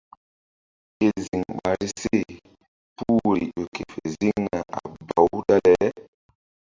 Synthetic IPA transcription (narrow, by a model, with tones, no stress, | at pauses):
e˨zi˨ŋɓa˨ɾi˦se˦˨ | pu˦˨ɾi˨o˨kʰe˨fe˨zi˦ŋna˨ʔa̰˨ba˨u˦ɗa˦lɛ˨˦